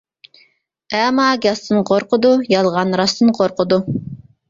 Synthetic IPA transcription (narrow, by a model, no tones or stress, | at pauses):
ɛmɑɡʲɑst̪ɨnqʰoɾqəd̪ujɑlˠʁɑnɾɑst̪ɨnqʰoɾqʰəd̪u